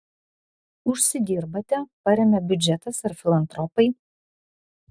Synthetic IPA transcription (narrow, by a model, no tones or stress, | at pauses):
ʊʃʲsʲɪd̪ʲiːɾbɐt̪ʲɛpɐɾʲɛmʲɛbʲʊd͡ʒʲɛt̪ɐsɐɾfʲɪlˠɐnt̪ɾɔpɐɪ